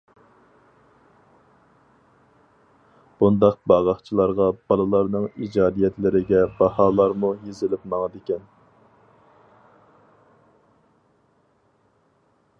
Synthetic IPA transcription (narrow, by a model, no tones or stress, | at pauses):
b̥und̪ɑq̚bɑʁɑχt͡ʃʰilˠɑɾʁɑbɑlˠɨlˠɑɾnɨŋid͡ʒɑːd̪ijɛt̪lɪɾɪɡʲɛbɑhɑːlˠɑɾmujezɪlɪpmɑŋɨd̪ɪkʲɛn